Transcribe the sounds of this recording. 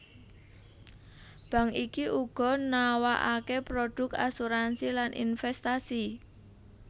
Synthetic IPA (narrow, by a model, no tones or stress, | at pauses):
b̥ä̤ŋikiʔuɡ̥ɔ̤nawaʔakepɾoɖ̥ʊ̤k̚asuɾansilanʔḭnfɛst̪asi